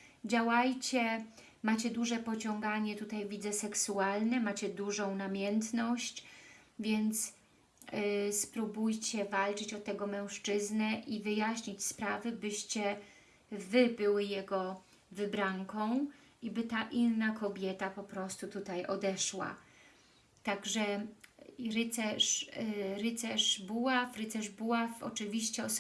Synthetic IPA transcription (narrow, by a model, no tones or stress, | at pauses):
d͡ʑawajt͡ɕɛ | mat͡ɕɛd̪uʐɛpɔt͡ɕɔŋɡaɲɛt̪ut̪ajvʲid̪zɛsɛksualnɛmat͡ɕɛd̪uʐɔ̃w̃namʲjɛnt̪nɔɕt͡ɕvʲjɛnt̪s | spɾubujt͡ɕɛvalt͡ʂɘt͡ɕɔt̪ɛɡɔmɛ̃w̃ʂt͡ʂɘznɛʔivɘjaɕɲit͡ɕspɾavɘbɘɕt͡ɕɛ | vɘbɘwɘjɛɡɔ | vɘbɾaŋkɔ̃w̃ | ʔibɘt̪aʔinnakɔbʲjɛt̪apɔpɾɔst̪ut̪ut̪ajɔd̪ɛʂwa̰ | t̪aɡʐɛ | ɾɘt̪sɛʂɾɘt̪sɛʂbuwafɾɘt̪sɛʐbuwafɔ̰t͡ʂɘvʲiɕt͡ɕɛɔ